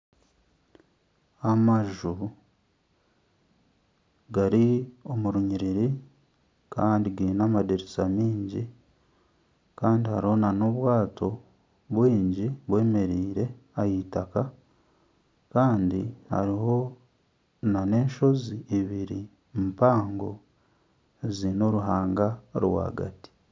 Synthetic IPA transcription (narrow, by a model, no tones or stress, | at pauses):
amaʒu | ɡaɾio̞muɾuɲiɾiɾi | kʰaːndiɡiɾinamadeɾesamiːɲɟi | kaːndihaɾiho̞nano̞βwaːtʰo̞ | βwiːɲɟiβwe̞ːme̞ɾiːɾe̞ajitaka | kaːndiha̰ɾiɦo̞ | nane̞ːnʃo̞ziiβiɾi | mpaːŋɡo̞ | zino̞ɾuɦaːŋɡaɾwa̰ːɡa̰ti̥